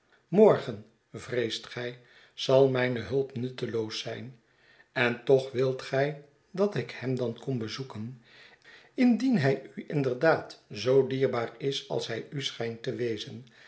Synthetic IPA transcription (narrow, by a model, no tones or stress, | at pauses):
mɔɹχən | vrejstχɛj | z̥ɑlˠmɛjnəɦɵlˠpnɵtəlowsɛjn | ɛntɔχʋɪlˠtχɛj | dɑtɪkhɛmdɑnkɔnbəzukən | ɪndinɦɛjyʔɪndəɹdaːtzowdiːɹbaːrɪsɑ̰lˠsɦɛjysχɛjntəʋejzən